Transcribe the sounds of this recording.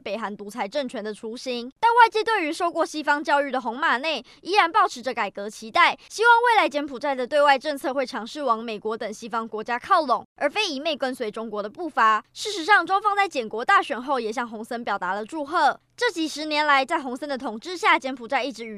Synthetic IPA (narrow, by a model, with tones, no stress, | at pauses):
pe˨˩ɪxa˧˥nt̪u˧˥t͡sʰa˧˥ɪʈ͡ʂə˥˩ŋt͡ɕʰɥɛ˧˥nd̪ə˨ʈ͡ʂʰu˧˥ɕi˥nt̪a˥˧nwa˥˧ɪt͡ɕi˥˧t̪we˥˩y˧˥ʂo˥˧ʊkwɔ˥˩ɕi˥fɑ˥ŋt͡ɕjɑ˥˧ʊy˥˩d̪ə˩xʊ˧˥ŋma˨˩ne˥˩ɪ | i˧˥ɻa˧˥npɑ˥˩ʊʈ͡ʂ̩ʰ˧˥ʈ͡ʂə˧ka˨˩ɪkɤ˧˥t͡ɕʰi˧˥t̪a˥˩ɪɕi˥wɑ˥˧ŋwe˥˩ɪla˧˥ɪt͡ɕjɛ˧˥npʰu˨˩t͡sa˥˩ɪd̪ə˩t̪we˥˧ɪwa˥˧ɪʈ͡ʂə˥˧ŋt͡sʰɤ˥˧xwe˥˩ɪʈ͡ʂʰɑ˧˥ŋʂɻ̩˥˩wɑ˧˥ŋme˨˩ɪkwɔ˧˥t̪ə˨˩ŋɕi˥fɑ˥ŋkwɔ˧˥t͡ɕja˥kʰɑ˥˩ʊlʊ˨˩ŋə˞˨˧˥fe˥ɪi˨˩me˥˩ɪkwə˦nswe˧˥ɪʈ͡ʂʊ˥ŋkwɔ˧˥˦d̪ə˧pu˥˩fa˧˥ʂɻ̩˥˩ʂɻ̩˧˥ʂɑ˥˩ŋʈ͡ʂwa˥ŋfɑ˥ŋt͡sa˥˩ɪt͡ɕjɛ˨˩nkwɔ˧˥t̪a˥˩ɕɥɛ˨˩nxo˥˩ʊjɛ˨˩ɕjɑ˥˩ŋxʊ˧˥ŋsə˥npjɑ˨˩ʊt̪a˧˥˦lə˨ʈ͡ʂu˥˧xɤ˥˩ | ʈ͡ʂɤ˥˩t͡ɕi˨˩ʂɻ̩˧˥njɛ˧˦nla˧˦ɪt͡sa˥˩ɪxʊ˧˥ŋsə˥nd̪ə˨t̪ʰʊ˨˩ŋʈ͡ʂɻ̩˥˧ɕja˥˩t͡ɕjɛ˧˥npʰu˨˩t͡sa˥˧ɪi˥˩ʈ͡ʂɻ̩˧˥y˨˩